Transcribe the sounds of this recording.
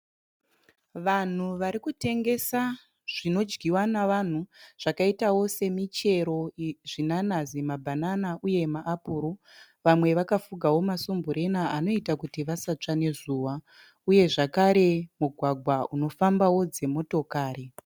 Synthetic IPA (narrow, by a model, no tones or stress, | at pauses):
ʋan̤uʋaɾikute̞ŋɡe̞sa | ʐ̥ino̞d͡ʒɡiwanaʋan̤uʐ̥akaitawo̞se̞mit͡ʃe̞ɾo̞ʐinanazimabʱananaʔuje̞maʔːpuːɾo | ʋamwe̞ʋakafuɡʱawo̞masumbuɾe̞naano̞itakutiʋasat͡ʂane̞zuːʋa | uje̞ʐakaɾe̞muɡʱwaɡʱwauno̞fambawo̞d͡ze̞mo̞to̞kaːɾe